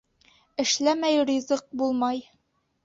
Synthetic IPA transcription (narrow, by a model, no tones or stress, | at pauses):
ɘ̆ʃlæmæjrʲizɤq̚bulˠmɑj